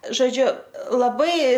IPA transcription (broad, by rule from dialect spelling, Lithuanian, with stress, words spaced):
ʒoːˈd͡ʒʲʊ lˠɐˈbɐɪ